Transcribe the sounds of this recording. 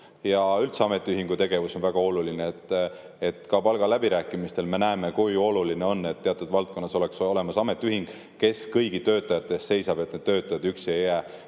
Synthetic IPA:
jɑylt̪seɑme̞t̪ːˑiyɦiŋɡ̥ut̪e̞ɡ̥e̞vuso̞nvæɡ̥ɑo̞lulineet̪ː | et̪ˑkɑpɑlɡ̥ɑlæbiɾæːkːˑimist̪e̞lme̞næeme̞kujo̞luline̞o̞nːe̞t̪ːe̞ɑt̪ːˑud̪vɑlt̪̚ko̞nːɑso̞le̞ksole̞mɑsɑme̞t̪ːˑiyhiŋɡ̥ | ke̞skɤjɡ̥it̪ø̞ːt̪ːˑɑjɑt̪ːˑe̞st̪ːse̞jsɑb̥e̞t̪̚ne̞d̪̥̚t̪ø̞ːt̪ːˑɑjɑd̪yksie̞jːæː

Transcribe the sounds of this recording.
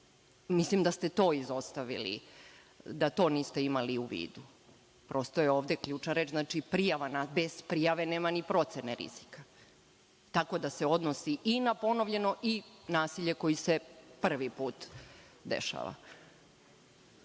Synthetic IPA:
mislimd̪ast̪e̞t̪o̞ːizo̞st̪aʋḭlḭ | d̪at̪o̞ːniːst̪e̞imaliuʋḭːd̪u | pɾo̞st̪ojeo̞ːʋd̪e̞kʎuːt͡ʃnaɾe̞ːt͡ʃznat͡ʃipɾijaʋanabe̞z̥pɾijaʋe̞neːmanipɾo̞t̪seneɾḭz̥i̥ka | t̪ako̞d̪aseo̞d̪nosiʔinapo̞noʋʎe̞no̞ʔinaːsiʎe̞ko̞jisepr̩ʋipuːt̪d̪ḛʃa̰ːʋa̰

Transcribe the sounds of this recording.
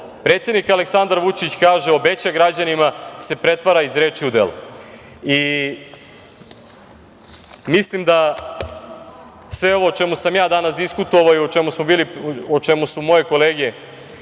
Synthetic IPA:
pɾet̪sjed̪nikaleksand̪aɾʋut͡ʃit͡ɕkaːʒeo̞be̞t͡ɕaɡɾad͡ʑanimase̞pɾe̞t̪ʋaɾaizɾe̞ːt͡ʃiud̪ḛlṵ | i | mislimd̪a | sʋe̞o̞ʋoːt͡ʃe̞musamjaːd̪anasd̪iskut̪oʋaoiot͡ʃe̞musmobiːliot͡ʃemusumo̞je̞ko̞leɡie

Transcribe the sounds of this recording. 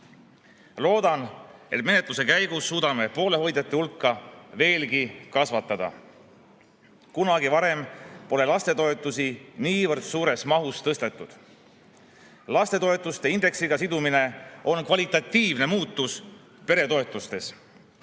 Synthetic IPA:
lo̞ːd̪̥ɑne̞̰t̪̚me̞net̪ˑluse̞kæjɡusːuːd̪̥ɑme̞po̞ːle̞ɦo̞jd̪̥et̪ːˑehulkˑːɑve̞ːlɡikɑsvɑt̪ːˑɑd̪̥ɑ̰ | kunɑɡivɑɾe̞mpo̞le̞lɑst̪e̞t̪o̞e̞t̪ˑːusiniːvɤrd̪̥suːɾe̞smɑɦust̪ɤst̪e̞t̪ːˑud̪̥ | lɑst̪e̞t̪o̞e̞t̪ːˑust̪e̞ind̪e̞ksiɡ̥ɑsid̪umine̞o̞nkvɑlʲit̪ˑɑt̪ːiːvne̞muːt̪ːˑus | pe̞ɾe̞t̪o̞e̞t̪ˑust̪e̞s

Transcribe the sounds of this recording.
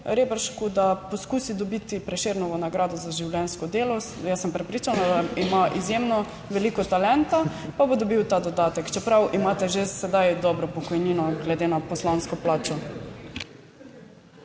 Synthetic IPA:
ɾebɛɾʃkud̪apɔskuːsid̪ɔbit̪ipɾɛʃeɾnɔʋɔnaɡɾaːd̪ɔzaʒiwlʲjɛnskɔd̪eːlɔ | jasːəmpɾɛpɾiːt͡ʃanad̪aimaʔizjemnɔ | ʋɛlikɔt̪alɛnt̪apabod̪ɔbiwt̪ad̪ɔd̪aːt̪ɛkt͡ʃɛpɾawʔimaːt̪ɛʒesɛd̪ajd̪ɔbɾɔpɔkɔjniːnɔɡlɛd̪enapɔslanskɔplaːt͡ʃɔ

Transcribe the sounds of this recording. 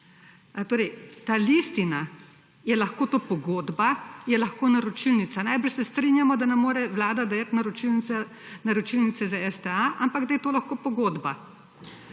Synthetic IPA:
t̪oːɾɛjt̪aːlist̪ina | jɛlaxkoːt̪oːpɔɡoːd̪bajɛlaxkoːnaɾɔt͡ʃilnit̪sanajbɾəɾʃsɛst̪ɾinjamɔd̪anɛmoːɾɛʋlaːd̪ad̪ajat̪naɾɔt͡ʃilnia | naɾɔt͡ʃilnit̪sɛzaɛst̪ɛaʔampaɡd̪ajɛt̪oːlaxkoːpɔɡoːd̪ba

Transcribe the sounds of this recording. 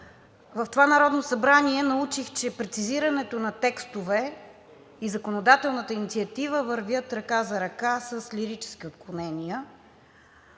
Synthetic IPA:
vɐft̪ovanɐɾɔd̪nosɐbɾaniɛnɐut͡ʃixt͡ʃɛpɾɛt̪siziɾɐnɛt̪onɐt̪ɛkst̪ovɛ | izɐkonod̪at̪ɛlˠnət̪əinit̪siɐt̪ivəvəɾvʲjət̪ɾɐkazɐɾɐkasəslʲiɾit͡ʃɛ̥skiot̪̚klˠonɛnijə

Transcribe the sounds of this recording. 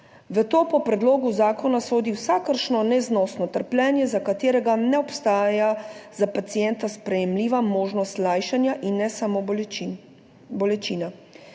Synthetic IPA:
ʋət̪oːpɔpɾɛd̪loːɡuzaːkɔnasoːd̪iwsakəɾʃnɔnɛznɔsnɔt̪əɾplʲɛːnjɛzakat̪eːɾɛɡanɛɔpst̪aːjazapat̪sijɛnt̪aspɾɛjɛmliːʋamoːʒnɔst̪laːjʃanjaʔinːɛsamo | bɔlɛt͡ʃiːna

